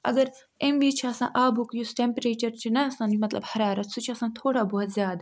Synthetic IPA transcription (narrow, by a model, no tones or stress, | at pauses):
ɐ̰ɡɐɾ | emʋiːt͡ʃʰiɐsã̰ːʔaːbʱukjusʈẽmpeɾeːt͡ʃɐɾt͡ʃʰinɐɐsãːnmɐt̪lɐ̰bhɐɾaːɾɐt̪sʰut͡ʃʰiɐsãːt̪ʰoːɽaboɦʊt̪zʲjaːd̪a